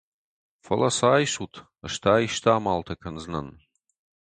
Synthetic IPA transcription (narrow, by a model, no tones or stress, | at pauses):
fɐlʔɐsaːjʃutʰ | ɐʂtʰaːjʃt̪ʰaːmaːltʰɐkʰɐnznɐ̰n